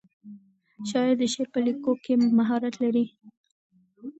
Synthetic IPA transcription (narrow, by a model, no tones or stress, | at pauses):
ʃɑjɪɾd̪əʃeɾpəlikokemaɦɑɾat̪laɾi